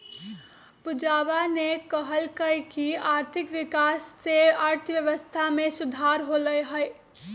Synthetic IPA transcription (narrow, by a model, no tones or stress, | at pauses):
pud͡ʒabanekəɦəlkəkiaːɾt̪ʰɪkʋikasːeaɾt̪ʰəʋjəʋəst̪ʰamesud̪ʱaɾɦoləjɦəj